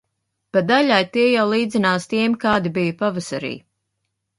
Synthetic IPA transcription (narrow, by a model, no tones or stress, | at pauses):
pad̪aʎʲajt̪iɛjawlˠiːd̪zʲinaːst̪iɛmkaːd̪ibijɐpavasaɾḭː